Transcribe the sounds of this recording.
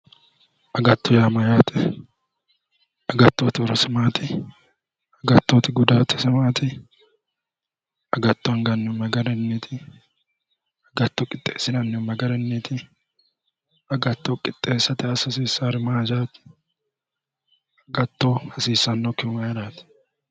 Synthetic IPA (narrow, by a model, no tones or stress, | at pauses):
ʔɐɡɐt̪ːɔjaːmɐjaːt̪ɪ | ɐɡɐt̪ːot̪ɪɔɾɐsɪmaːt̪ɪ | ɐɡɐt̪ːoːt̪ɪɡʊd̪aːt̪ɪ̥sɪmaːt̪ɪ | ɐɡɐt̪ːɔɐŋɡɐnːɔmɐɡɐɾɛnːit̪ʰɪ | ɐɡɐt̪ːɔkʼɪt̪ʼːḛːsːɪnɐnːɔmɐɡɐɾɛnːit̪ɪ | ɐɡɐt̪ːokʼɪt̪ʼːeːsːɐt̪ɪɐsɐsiːsːaːɾɪmaːd͡ʒaːt̪ɪ̥ | ɐɡɐt̪ːohɐsiːsːɐnːɔkɪmɐjɛɾaːt̪ɪ̥